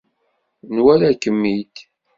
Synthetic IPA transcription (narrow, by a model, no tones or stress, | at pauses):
nwælækːəmːit̪